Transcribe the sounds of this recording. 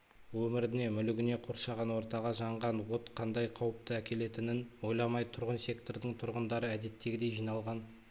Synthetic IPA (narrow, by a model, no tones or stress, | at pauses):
wɵmɪɾɪne̞mʏlɪɡʲɪne̞qʰoɾʃɑʁɑnwo̞ɾt̪ɑʁɑʒɑɴʁɑnwo̞t̪qʰɑnd̪ɑjqʰɑwəp̚t̪əækʲʰe̞le̞t̪ɪnɪnwo̞jlˠɑmɑjt̪ʰʊɾʁənsʲe̞kt̪o̞ɾd̪əɴt̪ʰʊɾʁənd̪ɑɾəæd̪e̞t̪ːe̞ɡʲɪd̪e̞jʒijnɑlˠʁɑn